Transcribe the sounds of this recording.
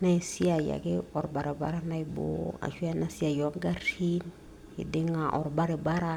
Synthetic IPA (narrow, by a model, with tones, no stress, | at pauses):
na˦i˨si˦a˨ja̰˨ke˦ɔ˨ɾba˨ɾe˨ba̰˨ɾa˦na˦i˨bo̰˦a̰˨ʃwa˦na˦si˦a˨jo˨˦ŋɡa˦ɾi˦n | ḭ˨dɪ˦ŋa˨ʔɔ˨ɾba˦ɾe˨ba˦ɾa˦